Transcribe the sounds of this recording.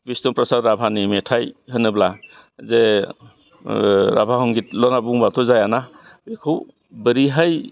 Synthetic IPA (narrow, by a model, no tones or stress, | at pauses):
bistɔpɾɔsaɾɾabʱanimɛtʰajhɯnɯbla | ze | ɾabʱaɦɔŋɡit̚lɔnabuŋbatʰɔzajana | bekʰɯw | bəɾiɦaj